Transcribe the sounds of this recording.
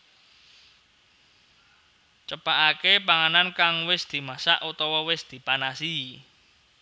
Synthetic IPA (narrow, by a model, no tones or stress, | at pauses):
t͡ʃəpaʔakepaŋanankaŋwɪsd̪̥i̤masaʔut̪ɔwɔwɪsd̪̥i̤panasii